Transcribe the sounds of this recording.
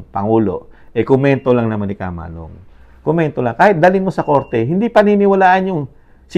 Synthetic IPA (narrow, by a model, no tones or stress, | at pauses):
pɐŋuːlo̞̰ʔɛkʊmɛnt̪o̞laŋnɐmanɪka̰ːma̰ːno̰ŋ | komɛnt̪olaŋkaːhɪt̪̚d̪aːlɪnmosɐko̞ɾt̪ɛɦɪnd̪ipɐnɪnɪwɐlaːʔɐnjʊŋ | s